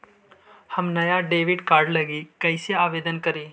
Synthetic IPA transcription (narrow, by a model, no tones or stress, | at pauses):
hɐmnɐjaɖeːʋɪɖkaːɾɖlɐɡikɐ̃ɪseaːʋeːd̪ənkɐɾeː